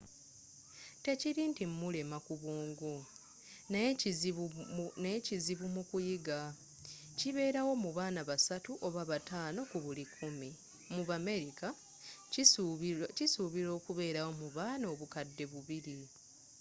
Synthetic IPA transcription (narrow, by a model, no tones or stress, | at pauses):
te̞ciɾintimːule̞makuβoːŋɡo | n | neciziβumukujiɡa | ciβe̞ːɾawo̞muβaːnaβasatuʔo̞βaβataːno̞kuβulikʰumi | muβame̞ɾika | cisuβiɾo̞ːkuβe̞ːɾawo̞muβaːnoːβukadːe̞βuβiɾi